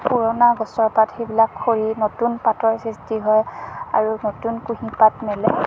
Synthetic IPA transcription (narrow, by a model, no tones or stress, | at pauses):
puɹɔnaɡɔsɔɹpatxejbilakʰːoɹinotunpatɔɹsistiɦɔjaɹunotunkuɦĩpatmɛlɛ